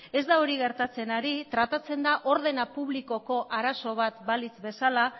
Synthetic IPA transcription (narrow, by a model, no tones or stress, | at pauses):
e̞zd̪aoɾiɣe̞ɾt̪at͡se̞naɾit̪ɾat̪at͡se̞nd̪aʔo̞ɾð̞e̞napuβliko̞ko̞ʔaɾaso̞β̞at̪balit͡sbe̞sala